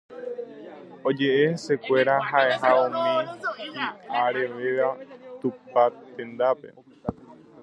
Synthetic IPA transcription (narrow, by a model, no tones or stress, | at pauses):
o̞d͡ʒe̞ʔe̞se̞kʷe̞ɾaɦaʔe̞ɦaũmĩhiaɾe̞ʋeʋat̪up̚at̪ẽ̞nd̪ape̞̰